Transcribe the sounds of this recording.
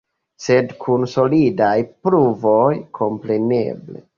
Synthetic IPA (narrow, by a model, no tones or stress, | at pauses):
se̞dkʰunso̞lidajpɾuvo̞jkʰo̞mpɾe̞ne̞̰ble̞̰